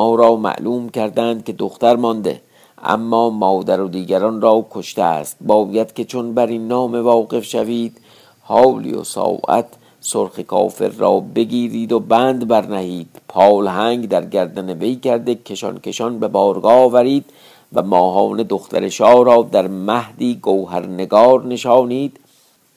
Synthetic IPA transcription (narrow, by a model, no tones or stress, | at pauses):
ɒːɾɒːmæ̰ʔluːmkʰæɾd̪ænd̪̚kʲe̞d̪oxt̪æɾmɒnd̪e̞̰ | ʔæ̰mːɒːmɒːd̪æɾod̪iːɡæɾɒnrɒːkʰo̞ʃt̪eæ̰st̪̚bɒːjæd̪̥kʲe̞t͡ʃʰonbæɾiːnːɒːme̞vɒːɣe̞fʃæviːd̪̥ | hɒːlḭjo̰sɒ̰ːwʔæ̰t̪ʰ | soɾxekʰɒ̰ːfe̞̰ɾːɒ̰ːbe̞ɡiːɾiːd̪obæːnd̪bæɾnæhiːd̪̥pʰɒːlhæŋɡd̪æɾɡæɾd̪æneve̞jkʰæɾd̪ekʰe̞ʃɒ̰nke̞ʃɒnbe̞bɒːɾɡɒːvæɾiːd̪̥ | væ̰mɒːɦɒːned̪oxt̪ʰæ̰ɾeʃɒːɾɒːd̪æɾmæhd̪iːɡowɦæɾneɡɒːɾne̞ʃɒːniːd̪̥